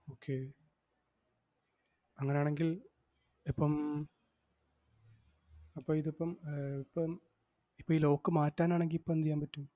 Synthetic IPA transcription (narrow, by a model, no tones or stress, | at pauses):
oːkʰːeː | ɐŋːɐnejaːɳe̞ŋɡil | ipːɐm | ɐpːɐːiðipːɐmipːɐm | ipːoːilo̞ːkːɨmaːtːaːnaːɳeŋɡilipːɐnt̪ijːaːnmpɐtːu